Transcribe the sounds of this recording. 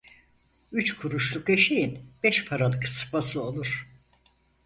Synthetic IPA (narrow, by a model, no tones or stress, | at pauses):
yt͡ʃkʰuɾuʃlˠukeʃejinb̥ɛʃpʰaɾalˠɯkʰsɯ̥fasɯo̞lˠuɾ̥